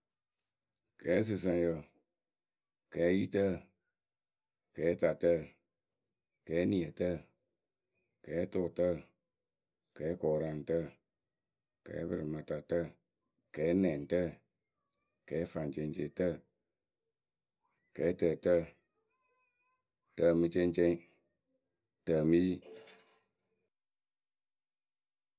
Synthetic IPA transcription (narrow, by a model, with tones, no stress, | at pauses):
kɛː˨˦s̬ɨ˨s̬ə˧ŋ˨jə˨ | kɛː˨˦ji˦tə˦˨ | kɛː˨˦ta˨tə˦˨ | kɛː˨˦ni˨ə˨tə˦˨ | kɛː˨˦to˨tə˦ | kɛː˨˦kɔː˨ɾa˨n˨tə˦˨ | kɛ̰ː˨˦bɨ˧ɾɨ˨ma˨ta˨tə˦ | kɛː˨˦nɛ˨n˨tə˦˨ | kɛː˨˦fa˨n˨t͡ʃe˧˦nt͡ʃe˧˦˨tə˦˨ | kɛː˨˦tə˨tə˦˨ | tə˨mɨ˧˦t͡ʃe˦nt͡ʃe˦ŋ˦ | tə˨mi˦ji˦